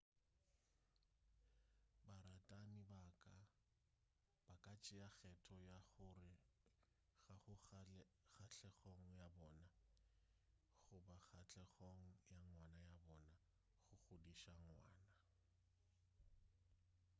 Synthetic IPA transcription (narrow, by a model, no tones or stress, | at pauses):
baɾatʼanɪbakʼa | b̥akʼat͡ʃʼɪaɣɛtʰɔjaɣʊrɪ | ɣaχʊ | ɣaɬʰɛχoŋ̩jabɔːna | ɣʊbaχat͡ɬɛɣoŋ̩jaŋwanajabɔna | ɣʊɣʊdiʃaŋwa̰ːna